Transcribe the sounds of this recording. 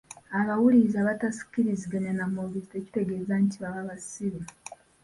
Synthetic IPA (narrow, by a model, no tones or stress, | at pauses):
aβawulizaβatasi̥kiɾiziɡenenamoβiziteci̥te̞ɡeːzaɲtiβaβaβasiβe